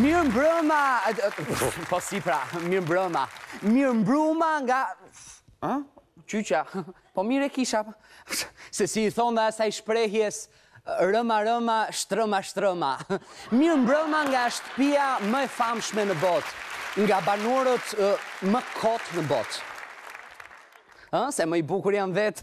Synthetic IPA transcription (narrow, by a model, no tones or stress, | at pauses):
miɾmbɾəma | pɔsipɾamimbɾəmamiɾmbɾumaŋɡa | ət͡ʃyt͡ʃa | pɔmiɾɛkiʃa | sɛsiθɔnðasajʃpɾɛɦjɛs | ɾəmaɾəmaʃt̪ɾəmaʃt̪ɾəmamiɾmbɾəmaŋɡaʃt̪ə̥piaməɛfamʃmɛnəbɔt̪ŋɡabanuɾət̪məkʰɔt̪nəbɔt̪ | əsɛməibukuɾjamvɛt̪